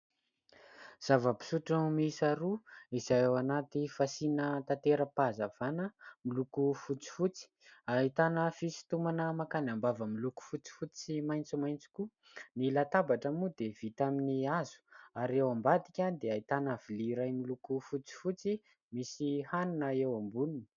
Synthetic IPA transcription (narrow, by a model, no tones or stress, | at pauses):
z̥avəpi̥suʈ͡ʂəumisaɾuizajawanat̪ifasinət̪at̪eɾəpazav̥anəmilukufut͡si̥fut͡si̥ait̪anəfisi̥t̪umanəmakanambavəmiluku̥fut͡si̥fut͡simajnt͡simajnt͡si̥kʲu | nilat̪abaʈ͡ʂəmud̪ev̥it̪aminiazu̥aɾewambad̪ikʲad̪eait̪anav̥iliɾajmilukufut͡si̥fut͡si | misihaninəewambununi̥